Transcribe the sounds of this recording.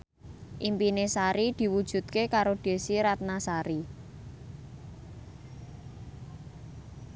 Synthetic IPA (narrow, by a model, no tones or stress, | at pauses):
ʔimpinesaɾid̪̥i̤wud̥ʒ̥ṳt̪̚kekaɾoɖ̪̥e̤siɾat̪̚nasaɾi